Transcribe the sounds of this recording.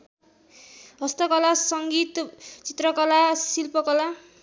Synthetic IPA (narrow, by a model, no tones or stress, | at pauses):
ɦʌst̪ʌkʌlasʌŋɡit̪t͡sit̪rʌkʌlasilpʌkʌla